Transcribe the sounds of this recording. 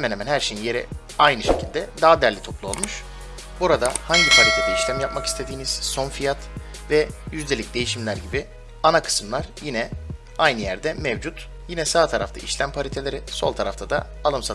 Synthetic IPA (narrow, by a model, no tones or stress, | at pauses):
hemɛnhemænhæɾʃe̞jinje̞ɾɛ̰ | ajnɯʃe̞cʰilʲd̪ɛd̪aɦad̪æɾlʲit̪ʰo̞plˠuo̞lˠmuʃ | buɾad̪ahaɲɟipʰalʲit̪ʰed̪ɛiʃlʲæmjapmaki̥st̪ʰe̞d̪iːniz̥so̞nfijat̪ | vɛjyzlʲe̞lʲic̚d̪e̞jiʃimlʲæɾɟibi | anakʰɯ̥sɯmlˠaɾjinɛ | ajnɯjæɾd̪ɛmɛvd͡ʒut̪ | jinɛsaːt̪ʰaɾa̰ft̪ʰa̰ʔiʃlʲæmpʰaɾʲit̪ʰelʲe̞ɾɪso̞lˠt̪ʰaɾaft̪ʰad̪a̰ | alˠɯmsa